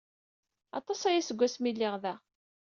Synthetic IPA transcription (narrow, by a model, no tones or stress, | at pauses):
ɑ̰t̪ˤɑsæjæsəɡʷːæsmilːɪʁðæ